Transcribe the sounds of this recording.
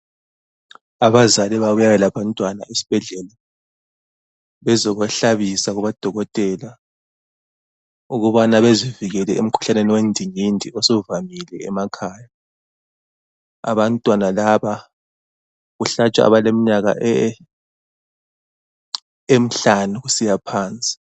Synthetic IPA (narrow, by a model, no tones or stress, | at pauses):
aβazalɛβaβujawɛlaβantʼwana̰isi̥b̥ʱɛɮɛla | βɛzɔɣɛɬaβisaɣuβad̥ʱɔɣɔtʼɛla | uɣuβanaβeziviɣɛlɛem̩kʰu̥ɬaneniwendʱiŋindʱiɔsɔvamilɛɛmakʰaːja | a̰βantʼwanalaβa | ɣuɬat͡ʃʼa̰a̰βalemiɲaɣa̰ʔɛ | em̩ɬanuɣusijapʰaːnt͡sʼi̥